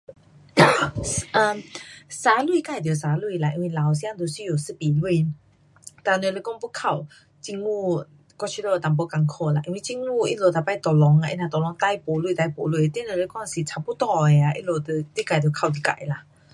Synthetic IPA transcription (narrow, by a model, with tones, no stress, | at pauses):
ʔə˧˩sa˨˦lwu˧˨ka˧˨d̪jo˨˩s̬a˨˧˦lwi˧˨la˨˧˨ʔi˧nwi˧˨la˨ws̬jã˥˧d̪o˨˧˨si˧jo˨˩sɨ˧˨pi˨lwi˧˨ | t̪a˧˩nə˧˨le˧˦kɔ˥˧˨ŋpu˧˦kʰa˧˨w | t͡ɕi˧ŋŋu˥˧˨ | kɔ˧t͡ɕʰi˧lo˧˨˧t̪a˨mpɔ˧˦ka˧ŋkʰo˧la˧ʔḭ˧nwi˧t͡ɕi˧ŋŋu˥˧ḭ˦lo˧˩t̪a˨˧˩pa˥˧˨t̪ɔ˨˩lɔ˨˧˦ŋa˧ʔḭ˧nã˧t̪ɔ˨lɔ˧˦ŋt̪a˧jpo˨˦lu˧˨t̪a˧jpo˨lu˧˨˧t̪e˦˨nə˧˨le˧˩kɔ˥˨ŋ˧si˨˩t͡sʰa˨˧pu˦t̪ɔ˥˧e˧a˨ʔḭ˧˥lo˧t̪ə˧˩t̪i˦ka˧˩jd̪jkʰa˧˨wt̪̬i˧ka̰˧˨jla˧˨